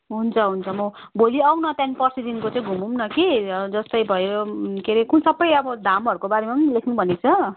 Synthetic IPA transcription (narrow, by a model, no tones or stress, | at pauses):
ɦunt͡sʰʌɦunt͡sʰʌmʌ | bʱoliawnʌt̪janipʌrsidinkot͡saĩɡʱumumnʌkid͡zʌst̪ʌjbʱʌjookeɾekunsʌbːʌjʌbʌd̪ʱamɦʌɾukobaɾemapʌnilekʰnubʱʌnet͡sʰʌ